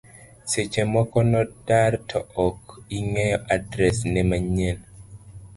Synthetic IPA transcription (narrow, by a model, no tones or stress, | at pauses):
set͡ʃemɔkɔnɔdartʰɔʔɔkiŋɛjɔʔadɾɛsnɛmaɲen